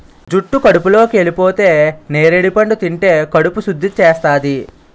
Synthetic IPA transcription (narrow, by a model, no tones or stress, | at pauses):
d͡ʒuʈːukɐɽupulo̞ːkieːlipo̞ːt̪e̞ːneːɾeɽipɐɳɖut̪iɳʈe̞ːkɐɽupusud̪ʱːit͡ʃeːst̪aːd̪i